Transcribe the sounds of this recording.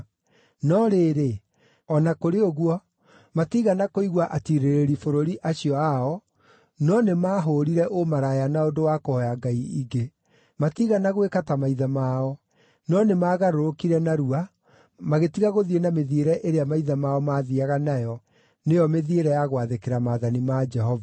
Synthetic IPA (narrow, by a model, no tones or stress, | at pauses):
nɔɾeːɾe | ɔnakoɾeoɣuɔ | matiɣanakoiɣwaʔatiɾeɾeɾifoɾoɾiʔaɕiɔaɔ | nɔnemaɦoɾiɾɛʔomaɾajanaondowaːkohɔjaɡaiiɡe | matiɣanaɣwekatamaiðamaɔ | nɔnemaːɣaɾoɾokiɾɛnaɾua | maɣetiɣaɣoðienameðieɾɛʔeɾeamaiðamaɔmaːðiaɣanajɔ | nejɔmeðieɾɛjaɣwaðekeɾamaðanimad͡ʒɛɦɔva